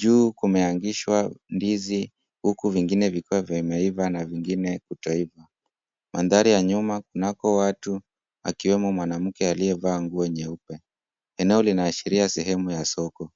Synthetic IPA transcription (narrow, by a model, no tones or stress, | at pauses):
ʄuːkumɛaŋɡiʃwandizi | hukuviŋɡinɛvikuwavjaimɛivanaviŋɡinɛkutɔiva | manðaɾijaɲumakunakɔwatu | akiwɛmɔmwanam̩kɛaliɛvaːŋɡuːwɛɲɛupɛ | ɛnɛɔlinaːʃiɾiasɛɦɛmujasɔkɔ